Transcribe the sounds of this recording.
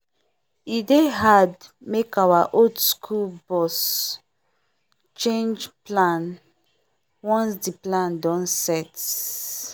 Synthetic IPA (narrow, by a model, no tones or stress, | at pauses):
ideɦad | mekawaʔodskʰulbɔs | t͡ʃẽnd͡ʒplãn | wɔ̃nsdiplãndɔ̃nsɛt